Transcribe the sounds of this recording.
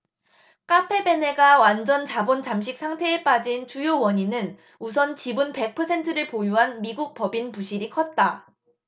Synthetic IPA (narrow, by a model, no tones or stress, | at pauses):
k͈apʰe̞be̞ne̞ɡawand͡ʑʌnt͡ɕabont͡ɕamɕ̬ʰik̚s͈ʰaŋtʰe̞ːp͈ad͡ʑint͡ɕujowʌɲinɯn | us̬ʰʌnt͡ɕibunpe̞k̚pʰʌsʰe̞ntʰɯɾɯɭpojuɦanmiɡuk̚pʌbinpuɕʰiɾikʰʌt̚t͈a